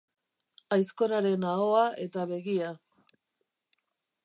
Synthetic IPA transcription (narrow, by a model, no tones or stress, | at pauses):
ajsko̞ɾaɾe̞naoaʔe̞t̪aβe̞ɣia